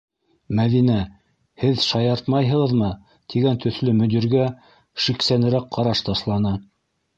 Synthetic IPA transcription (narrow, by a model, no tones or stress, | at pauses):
mæðinæ | hɘðʃɑjɑɾt̪mɑjɦɤ̆ʁɤ̆ðmɤ | t̪ʰiɡænt̪ʰɵ̆θlɵmɵ̆d̪iɾɡæ | ʃiksænɘ̆ɾæk̚qɑɾɑʃt̪ɑʃlˠɑnɑ